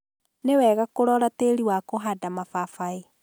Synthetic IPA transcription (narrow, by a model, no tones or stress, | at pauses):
newɛːɣakoɾɔɾateɾiwakoɦadamafafai